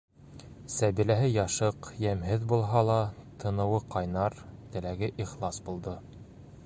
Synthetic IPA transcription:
sæβilæɦɘjɑʃɤqjæmɦɘðbulˠɦɑlˠɑt̪ʰɤ̆nɤ̆wɤqɑjnɑɾt̪ɘ̆læɡɘʔiχlˠɑsbulˠd̪ɤ

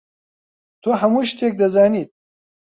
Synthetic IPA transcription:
t̪ʰoːɦɐmuːʃt̪eːk̚d̪ɐzaːniːt̪̚

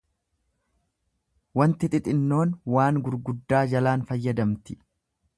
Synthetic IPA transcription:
wɐnt̪ɪt̪ʼɪt̪ʼɪnːo̞ːnwaːŋɡʊɾɡʊd̪ːaːd͡ʒɐlaːnfɐjːɐd̪ɐmt̪ɪ

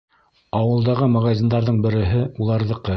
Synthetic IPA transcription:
ɑwɤ̆lˠd̪ɑʁɤmɑʁɑzʲind̪ɑɾðɤɴbɘ̆ɾɘ̆ɦɘulˠɑɾðɤ̆qɤ

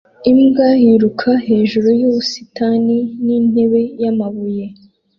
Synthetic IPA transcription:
imɡajiɾukʰahe̞ːʒuɾujuːβusi̥taninin̥e̞βe̞jamaβuje̞

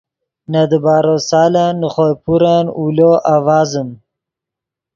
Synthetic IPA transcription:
nad̪əbaːɾosaːlanːəχojpuɾanuloʔawaːzəm

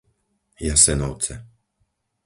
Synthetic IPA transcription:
jasɛnɔʊt͡sɛ

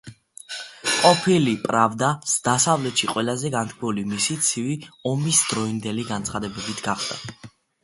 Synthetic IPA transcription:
qʼɔpʰilipʼɾavd̪asd̪asavlɛt̪ʃiqʼwɛlazɛɡant̪ʰkʰwɛulimisit̪sʰiviɔmisd̪ɾɔind̪ɛliɡant̪sʰχad̪ɛbɛbit̪ʰɡ̥aχd̪̥a̰

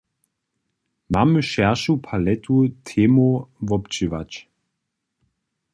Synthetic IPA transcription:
maməʃɛɐʃupʰalɛtʰutʰeːmovɔpt͡ʃivat͡ʃ

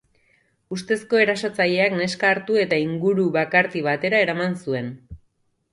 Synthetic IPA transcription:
ust̪e̞sko̞e̞ɾasat͡saʎe̞akne̞skaːɾt̪ue̞t̪aiŋɡuɾuβakaɾt̪iβat̪e̞ɾae̞ɾamansue̞n

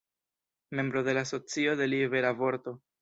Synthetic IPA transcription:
me̞mbɾo̞de̞laːso̞t͡sio̞de̞liveɾavo̞ɾt̪o̞

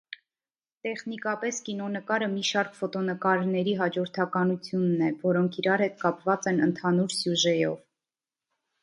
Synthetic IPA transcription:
t̪ɛχnikɑpɛskinɔnəkɑɾəmiʃɑɾkfɔt̪ɔnəkɑɾnɛɾiɦɑd͡ʒɔɾt̪ʰɑkɑnut͡sʰjunːɛvɔɾɔŋkʰiɾɑɾhɛt̪kɑpvɑt͡sɛnənt̪ʰɑnuɾsjuʒɛjɔv

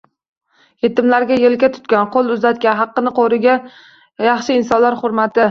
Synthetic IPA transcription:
je̞t̪ɪmlaɾɡʲajelkʲat̪ʰʊ̥t̪̚kʲanqʰolˠʊzat̪̚kʲaɦɑqːɨnɪqʰoɾɪɡʲa | jɑχʃɪɪnsɒnlaɾχʊɾmat̪ɪ

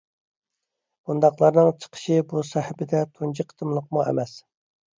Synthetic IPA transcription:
b̥und̪ɑqlˠɑɾnɨŋt͡ʃʰə̥qʰə̥ʃibusɛhɪbɪd̪ɛt̪ʰund͡ʒʰiqʰːət̪ʰɨmlˠəq̚muɛ̰mɛs

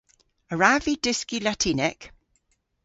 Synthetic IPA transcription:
əɹavidɪskilatʰinɛk

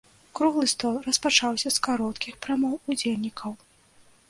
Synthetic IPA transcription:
kɾuɣlˠɨst̪ɔlˠrɐspat͡ʂawsʲɐskaɾɔt̪kʲixpɾamɔwud͡zʲelʲnʲikʰɐw

